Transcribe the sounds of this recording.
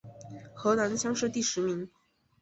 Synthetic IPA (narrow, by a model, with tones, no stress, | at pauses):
xɤ˧˥na˧˥nɕjɑ˥ŋʂɻ̩˥˧t̪i˥˩ʂɻ̩˧˥mi˧˥ŋ